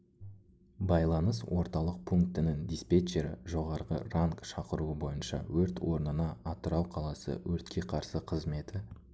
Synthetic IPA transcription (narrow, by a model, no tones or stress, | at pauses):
bɑjlˠɑnəswo̞ɾt̪ɑlˠəq̚pʰuŋkt̪ɪnɪŋd̪ispet͡ʃeɾɪ̰ʒo̞ʁɑɾʁə̰raŋkʃɑqəɾuəbo̞jənʃɑ̰wɵɾt̪ʰwo̞ɾnənɑːt̪əɾɑwqʰɑlˠɑsə̰wɵɾt̪kʲe̞qʰɑɾsəqʰəzme̞t̪ɪ